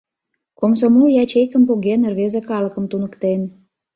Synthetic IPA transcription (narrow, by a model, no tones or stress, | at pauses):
koms̬omuljɑt͡ɕejkə̆mpuɣenĕrβezekɑlə̆kə̆mt̪unə̆kt̪en